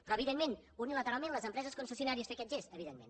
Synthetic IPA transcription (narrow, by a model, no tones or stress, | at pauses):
pɾɔəβiðenmenunilət̪əɾalˠmẽnləzəmpɾɛzəskonsəs̬iunaɾiəsfeəkɛt̪ʒesəβiðenmḛn